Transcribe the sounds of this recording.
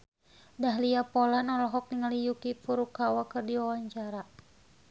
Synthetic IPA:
daɦliapɔlanɔlɔɦɔk̚niŋalijukipuɾukawakɨrdiwawaɲt͡ʃaɾa

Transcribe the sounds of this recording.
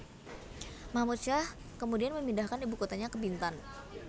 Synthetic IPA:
mamut̪̚ʃah | kəmudianməmindahkanibukot̪aɲakəbint̪an

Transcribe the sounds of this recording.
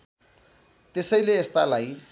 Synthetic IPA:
t̪esʌjleːst̪alaj

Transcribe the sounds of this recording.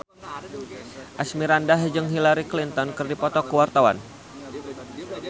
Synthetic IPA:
ʔasmiɾandaɦəd͡ʒəŋɦilaɾiklint̪ɔnkərdipɔt̪ɔkəwart̪awa̰n

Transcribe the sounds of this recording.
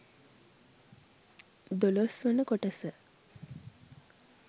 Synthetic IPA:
d̪olosʋənəkoʈəsə

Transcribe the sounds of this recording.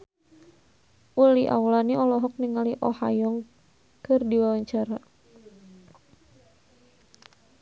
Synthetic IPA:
ʔuliʔa̰wlaniɔlɔɦɔk̚niŋaliʔɔha̰jɔŋ | kɨrdiwawaɲt͡ʃaɾa

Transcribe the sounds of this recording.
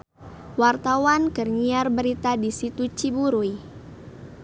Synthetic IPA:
wart̪awankərɲiarbəɾit̪adisit̪ut͡ʃibuɾuj

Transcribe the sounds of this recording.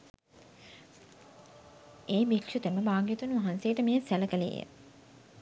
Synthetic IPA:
eːbikʂut̪eməbaːɡijet̪unʋaɦansejːʈəmejəsæləkəlḛjə̰

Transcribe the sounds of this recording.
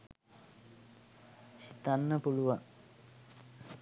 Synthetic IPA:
sit̪anːəpuluʋaŋ

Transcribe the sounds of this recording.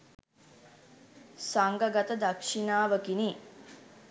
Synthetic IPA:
saŋɡəɡat̪əd̪akʂinaːʋəkini

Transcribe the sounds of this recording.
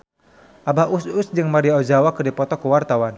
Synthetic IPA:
ʔabaʔusʊsd͡ʒɨŋmaɾiaɔd͡ʒawakərdipɔt̪ɔkəwart̪awan

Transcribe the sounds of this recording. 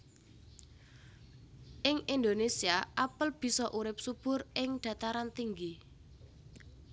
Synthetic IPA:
ʔɪŋind̪onesiaʔapəlb̥i̤sɔʔuɾɪp̚sub̥ʊ̤rɪŋɖ̪̥a̤t̪aɾant̪iŋɡi

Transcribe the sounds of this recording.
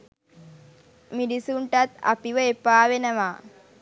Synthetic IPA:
miɖisuɳʈat̪a̰piʋəepaːʋenəʋaː

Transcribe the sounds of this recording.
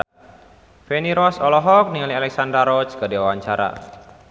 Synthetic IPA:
feniɾɔsɔlɔɦɔk̚niŋalialɛksandɾaɾɔt͡ʃkədiwawaɲt͡ʃaɾa̰

